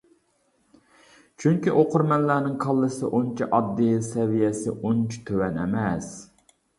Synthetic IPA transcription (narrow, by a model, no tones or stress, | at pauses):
t͡ʃʰyŋkʲiʔoqʊɾmɛnlæɾnɪŋqʰɑlˠːɨsɨ̰ʔont͡ʃʰiʔɑd̪ːijsɛvijɛsɪ̰ʔont͡ʃʰi̥t̪ʰøwɛnɛ̰mɛs